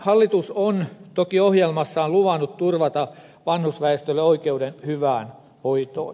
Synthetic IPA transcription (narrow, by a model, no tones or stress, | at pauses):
hɑlːit̪usont̪okiohjelmɑsːɑːnluʋɑnːut̪t̪urʋɑt̪ɑ | ʋɑnhusʋæest̪ølːeoikeudenhyʋæːn | hoit̪o̰ːn